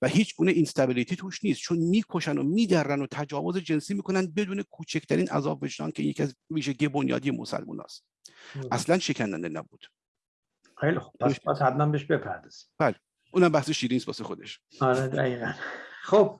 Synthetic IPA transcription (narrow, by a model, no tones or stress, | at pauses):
væhiːt͡ʃʰɡuːneʔinst̪æbilit̪ʰiːt̪ʰuːʃniːst̪̚t͡ʃʰonmiːkʰo̞ʃæno̰miːd̪æɾːænot̪ʰæd͡ʒɒːvozed͡ʒe̞nsiːmiːkʰonænd̪̚be̞d̪uːne̞kʰuːt͡ʃʰecʰt̪ʰæɾiːnʔæ̰zɒːbved͡ʒɾɒ̰ːncʰeinjecʰiæzviːʒeɟiebonjɒ̰ːd̪ijemo̰sæ̰lmṵːnʔɒ̰ːst̪ | æslænʃecʰænd̪æ̰nd̪enæ̰buːd̪̥ | xejlixob̥̚psbæshæd̪̚mæmbeʃbepʰæɾd̪ɒz̥i̥b̥æle | ʔuːnæmbæhseʃiːɾiːŋsbɒ̰ːsexo̞d̪e̞ʃɒɾed̪æɣiːɣænχob̥̚